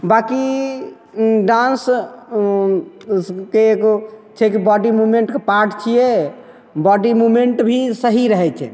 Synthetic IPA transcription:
baki | ɖãns | keːɡot͡ʃʰɛkibɔɖimumeɳʈkepaɾʈt͡ʃʰijɛ | bɔɖimumeɳʈbʱisəɦiɾəɦɛt͡ʃʰɛ̰

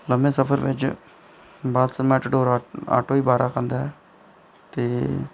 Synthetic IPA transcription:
ləmbẽːsəpʰəɾʋɪt͡ʃ | baːd̪smɛːʈɖoːɾa̰ːʈoːiːbaːɾʔa̰ːkʰə̃ːnd̪aːɦɛː | t̪eː

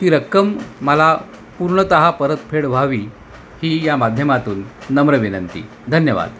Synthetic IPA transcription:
t̪iːɾəkːəmːəla | puɾɳət̪əɦapəɾət̪̚pʰeɽʋ̤ʱaʋiː | hiːjamad̪ʱjəmat̪uːnːəmɾəʋinənt̪ḭː | d̪ʱənjəʋa̰d̪

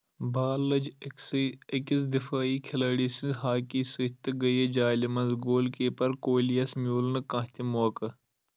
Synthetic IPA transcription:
baːlːɐd͡ʒ | ɪkisd̪ɪfaːiːkʰɪlɐːɽiːsĩnzɦaːkiːsit̪ɡɐjed͡ʒaːlimɐnzɡoːlkeːpɐɾkoːlijɐsmjuːlnɨkɐ̃ɦt̪ʲimoːkɐ

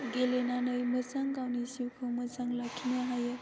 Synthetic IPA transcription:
ɡelenanəjməzaŋkawnisiwkʰɯwməzaŋlakʰːinaɦajɯ

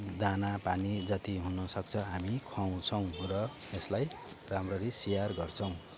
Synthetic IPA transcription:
d̪anapanid͡zʌt̪iɦunʌsʌk̚t͡sʰʌɦamikʰwaw̃t͡sʰʌw̃ɾʌeslaj | ramrʌɾisijarɡʌrt͡sʰʌw̃

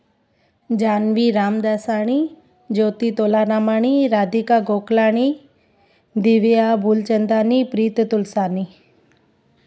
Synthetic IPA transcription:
d͡ʒaːnʋiɾaːmd̪asaːɽ̃i | d͡ʒoːt̪it̪oːlanaːmaːɽ̃iɾaːd̪ikaɡoːklaːɽ̃i | d̪iʋijabʱuːlt͡ʃənd̪aːnipɾiːt̪t̪ʊlsaːni

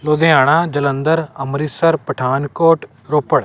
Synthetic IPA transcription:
loːd̪ʱeaːɽ̃ad͡ʒələ̃nd̪əɾɐmɾiːsəɾpɐʈʰaːnkoːʈ | ɾoːpəɭ

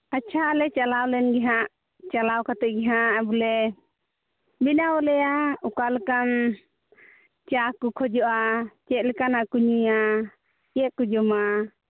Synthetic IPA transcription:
at͡ʃʰalɛt͡ʃalawlɛnɡɛɦaʔ | t͡ʃalawkat̪ɛʔ̚ɡɛɦaʔabulɛ | binawɔlɛjaukalɛkan | t͡ʃakɔkʰɔd͡ʒɔʔat͡ʃɛt̪̚ˀlɛkanakuɲuja | jɛʔ̚kud͡ʒɔma

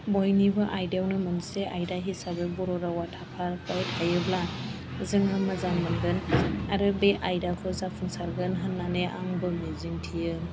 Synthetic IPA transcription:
bojnibɯʔajdawnɯmɯnseʔajdaɦisabɯbɔɾɔɾawatʰapʰaɾpajtʰajɯbla | zɯŋamazaŋmanɡɯnaɾɯbeʔajdakʰɯzapʰuŋsaɾɡɯnɦanːaneʔaŋbɯmeziŋtʰijɯ

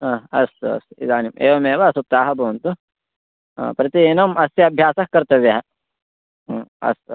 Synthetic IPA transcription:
aɐsɐ̰sḭd̪aːnimʔḛːʋɐmeːʋɐɐsup̚t̪aːɦɐbʱɐʋɐnt̪ṵ | pɾɐt̪inɐmɐsjɐɐbʱjaːsɐkkːɐɾt̪ɐʋjɐɦɐ | ɐ̰s

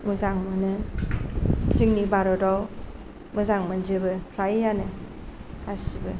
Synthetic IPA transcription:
muzaŋmɯnɯ | tiŋnibaɾɔdaw | muzaŋmɯnd͡ʒɯbɯɾajjanɯ | kasibɯ

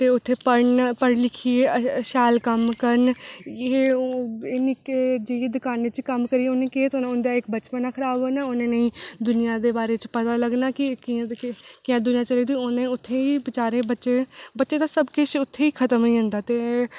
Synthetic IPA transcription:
t̪eːʊt̪ʰːeːpəɾnpəɽlɪkʰːiːeəʃɛːlkəmkəɾneː | eːniːked͡ʒeːjeːd̪ʊkaːnet͡ʃkəmkəɾiːonẽːkeːt̪onʊnd̪aːɪkbət͡ʃpənaːkʰəɾaːboːnaːʊnẽːnəĩːd̪ʊnɪjãːd̪eːbaːɾeːt͡ʃpət̪aːləɡnaːkɪkĩkɪjãːd̪ʊnɪjãːt͡ʃəliːd̪iːonẽːʊt̪ʰːeːiːbɪt͡ʃaːɾẽːbəʃeːbətːʃeːt̪ãːsəbkɪt͡ʃʊt̪ʰːeːiːkʰət̪əmoĩːɦʊ̃nd̪aːt̪eː

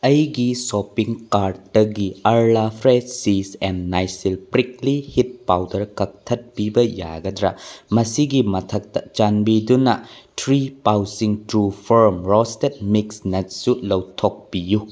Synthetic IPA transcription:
ɐjɡisopiŋkaɾddɐɡiɐɾlapʰɾesisennajsilpɾiklihit̚pawdɐɾkɐk̚tʰɐt̚pibɐja̰ɡɐdɾɐmɐsiɡimɐtʰɐk̚tɐt͡ʃanbidunɐtʰɾipawsiŋtɾupʰoɾmɾɔstet̚miksnɐt̚sulɐwtʰok̚piju

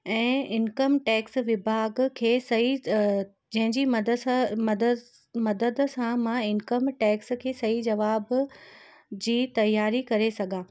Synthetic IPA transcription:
ɛ̃ːɪnkəmʈɛːksʋɪbʱaːɡkʰeːsɐɦi | d͡ʑɐ̃ɦɪ̃ɲd͡ʑimɐd̪d̪ | mɐd̪əd̪sãmãɪnkəmʈeːkskʰeːsɐid͡ʑɐʋaːb | d͡ʑiːt̪ɐjːaːɾikɐɾesɐɡʱãː

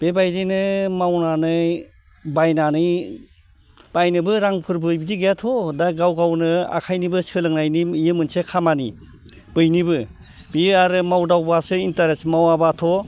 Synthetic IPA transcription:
b̥ebajdinɯmawnanɯj | bajnanɯj | b̥ajnɯbɯɾaŋpʰɯɾbɯjbidiɡejatʰɔdaɡawɡawnɯa̰kʰajnibɯsɯlɯŋnajniijɯmɯnsekʰamani | b̥ɯjnibɯ | bijɯaɾɯmawdawbasɯintaɾesmawabatʰɔ

